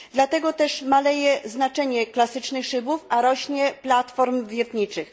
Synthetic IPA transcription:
d̪lat̪ɛɡɔt̪ɛʂmalɛjɛznat͡ʂɛɲɛklasɘt͡ʂnɘxʂɘbufaɾɔɕɲɛplat̪fɔɾmvʲjɛt̪ɲit͡ʂɘx

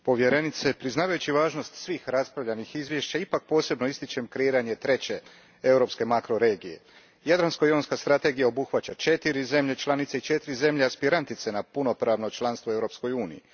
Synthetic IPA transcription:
po̞ʋje̞ɾe̞nit̪se̞pɾiznaːʋajut͡ɕiʋaːʒno̞st̪sʋiːxɾaspɾaʋʎanixizʋjeʃt͡ɕaipak̚po̞ːse̞bnoist̪it͡ʃe̞mkɾeiːɾaɲe̞t̪ɾe̞t͡ɕe̞ | e̞uɾo̞pske̞makɾo̞ɾe̞ːɡije̞̰ | jad̪ɾanskojonskast̪ɾat̪e̞ɡijao̞buxʋat͡ɕat͡ʃe̞t̪iɾize̞mʎet͡ʃlˠanit̪seit͡ʃe̞t̪iɾize̞mʎeaspiɾant̪it̪se̞napuno̞pɾaʋno̞t͡ʃlˠanst̪ʋoewɾo̞ːpsko̞juːnḭḭ

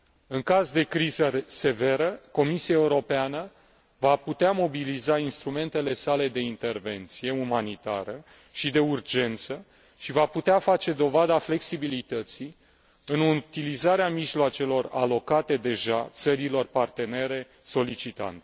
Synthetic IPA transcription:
ɨŋkazd̪e̞kɾizəse̞ve̞ɾəko̞misiaeuɾo̞peanə | vaput̪eamo̞bilizainst̪ɾume̞nt̪e̞le̞sale̞d̪e̞int̪e̞rve̞nt̪sije̞umanit̪a̰ɾə | ʃid̪e̞urd͡ʒe̞nt̪sə | ʃivaput̪eafat͡ʃe̞d̪o̞vad̪afle̞ksibilit̪ət̪si | ɨnut̪ilizaɾeamiʒloat͡ʃe̞lo̞ra̰lo̞kat̪e̞d̪e̞ʒat̪səɾilo̞rpart̪e̞ne̞ɾe̞ | so̞lit͡ʃit̪a̰nt̪e

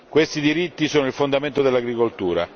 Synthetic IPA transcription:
kwest̪id̪iɾit̪ːisoːnoilfond̪ament̪od̪elːaɡɾikolt̪uːɾa̰

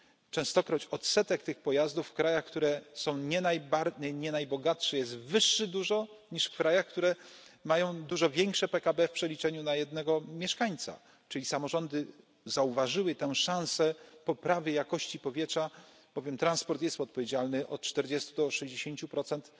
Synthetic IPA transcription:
t͡ʂɛ̃w̃st̪ɔkɾɔt͡ɕɔt̪sɛt̪ɛkt̪ɘxpɔjazd̪ufːkɾajaxkt̪uɾɛsɔ̃w̃ɲɛnajbaɾɲɛɲɛnajbɔɡatʂɛjɛs̬t̪vɘʂːɘd̪uʐɔ | ɲiʂfkɾajaxkt̪uɾɛ | majɔ̃w̃d̪uʐɔvʲjɛŋkʂɛpɛkabɛfpʂɛlʲit͡ʂɛɲunajɛd̪nɛɡɔmʲjɛʂkaɲt̪sa̰ | t͡ʂɘlʲisamɔʐɔnd̪ɘ | zauvaʐɘwɘt̪ɛw̃ʂãw̃sɛpɔpɾavʲjɛjakɔɕt͡ɕipɔvʲjɛtʂa | b̥ɔvʲjɛmt̪ɾanspɔɾt̪jɛst̪ɔt̪̚pɔvʲjed͡ʑalnɘʔɔt̪̚t͡ʂt̪ɛɾd͡ʑɛst̪ud̪ɔʂɛʑd͡ʑeɕeɲt͡ɕupɾɔt̪sɛnt̪

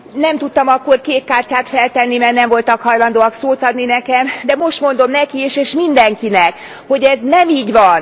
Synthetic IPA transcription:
nɛmt̪ut̪ːɒmɒkːo̞rkeːt̪̚kaːrcaːt̪fɛlt̪ɛnːimɛrnɛɱvo̞lt̪ɒkhɒjlɒnd̪oːɒksoːt̪ɒd̪ninɛkɛmd̪ɛmo̞ʃt̪mo̞nd̪o̞mnɛkieːʃeːʃmind̪ɛŋkinɛk | ho̞ɟɛznɛmiːɟʋɒn

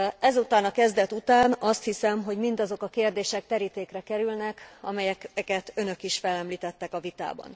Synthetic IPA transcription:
ɛzut̪aːnɒkɛzd̪ɛt̪ut̪aːnɒst̪hisɛmɦo̞ɟmind̪ɒzo̞kɒkeːrd̪eːʃɛk̚t̪ɛɾit̪eːkrɛkɛɾylnɛkɒ̰mɛjɛkkɛt̪ø̞nø̞kiʃfɛlɛmliːt̪ɛt̪ːɛkɒvit̪a̰ːbɒ̰n

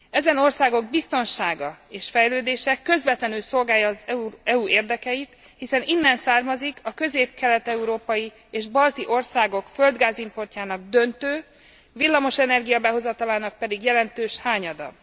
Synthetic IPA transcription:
ɛzɛno̞rsaːɡo̞ɡ̚bist̪o̞nʃaːɡɒeːʃfɛjløːd̪eːʃɛkø̞zvɛt̪lɛnylso̞lɡaːjɒːzɛuɛuʔeːrd̪ɛkɛjit̪ | hisɛninːɛnsaːrmɒzikʰɒkø̞zeːp̚kɛlɛt̪ɛuɾoːpɒji | eːʒbɒlt̪iʔo̞rsaːɡo̞kføld̪ɡaːzimpo̞rcaːnɒɡ̚d̪ø̞nt̪øː | vilːɒmo̞ʃɛnɛrɡijɒbɛɦo̞zɒt̪ɒlaːnɒk̚pɛd̪iɡjɛlɛnt̪øːʃhaːɲɒd̪ɒ̰

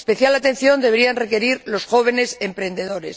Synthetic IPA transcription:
spe̞θjalat̪e̞n̟θjo̞nd̪eβe̞ɾianre̞ke̞ɾiɾlo̞sxo̞β̞e̞ne̞se̞mpɾẽ̞nd̪e̞ðo̞ɾe̞̰s

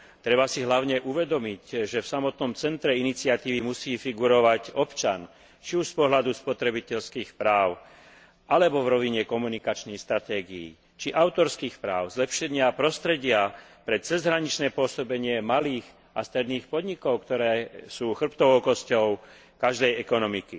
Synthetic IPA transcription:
t̪ɾɛbasiɦlaʊɲɛʔuʋɛd̪ɔmicʒɛfsamɔt̪nɔmt͡sɛnt̪ɾɛinit͡sɪat̪iːʋimusiːfiɡuɾɔʋaɟɔpt͡ʃan | t͡ʃiuʃspɔɦlad̪uspɔt̪ɾɛbicɛʎskiːxpɾaːʊ | alɛbɔvɾɔʋiɲɛkɔmunikat͡ʃniːxst̪ɾat̪ɛːɡḭḭ | t͡ʃiʔaʊt̪ɔɾskiːxpɾaːʊzlɛpʃɛɲɪapɾɔst̪ɾɛɟɪapɾɛt͡sɛzɦɾaɲit͡ʃnɛːpʊɔsɔbɛɲɪɛmaliːɣ | ast̪ɾɛd̪niːxpɔd̪ɲikɔʊkt̪ɔɾɛːsuːxr̩pt̪ɔʋɔʊkɔscɔʊ | kaʒd̪ɛjɛkɔnɔmiki

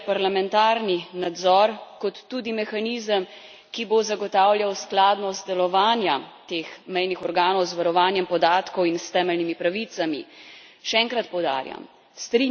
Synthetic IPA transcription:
paɾlamɛnt̪aːɾninad̪zɔɾkɔt̪ːuːd̪imɛxaniːzəm | kibozaɡɔt̪aːwljawsklaːd̪nɔst̪d̪ɛlɔʋaːnjat̪exmɛjnixɔɾɡaːnɔwzʋaɾɔʋaːnjɛmpɔd̪aːt̪kɔwinst̪ɛːmɛlnimipɾaʋit̪samḭ | ʃɛɛːŋkɾat̪̚pɔwd̪a̰ːɾja̰m | st̪ɾi

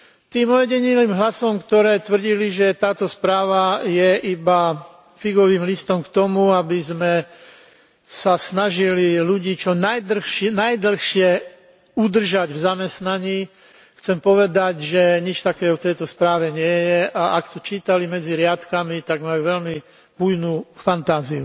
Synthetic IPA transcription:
t̪iːmɔjɛɟɛɲiliːmɦlasɔmkt̪ɔɾɛːt̪ʋr̩ɟiliʒɛt̪aːt̪ɔspɾaːʋajɛʔiba | fiɡɔʋiːmlist̪ɔmkt̪ɔmuabizmɛ | sasnaʒililuɟiːt͡ʃɔnajd̪l̩xʃnajd̪l̩xʃɪɛ | ud̪r̩ʒaɟvzamɛst̪naɲiː | xt͡sɛmpɔʋɛd̪aɟʒɛɲit͡ʃt̪akɛːft̪ɛjt̪ɔspɾaːʋɛɲɪɛjɛʔaʔakt̪ɔt͡ʃiːt̪alimɛd͡ziɾɪat̪kamit̪aɡmaluʋɛlmi | bujnuːfant̪aːziu

